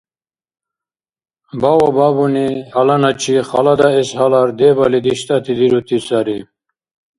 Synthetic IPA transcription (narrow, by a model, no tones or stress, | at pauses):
bawababunihɐlɐnɐt͡ɕʰiχɑlad̪aeshɐlaɾd̪ebalid̪iɕt̪at̪ʰid̪iɾut̪ʰisaɾi